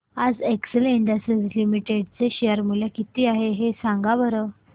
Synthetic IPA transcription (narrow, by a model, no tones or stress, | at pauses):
ad͡zeksəliɳɖəsəd͡zlimiʈeɖt͡seɕeəɾmuljakit̪iːaɦeɦesãŋɡaʋəɾə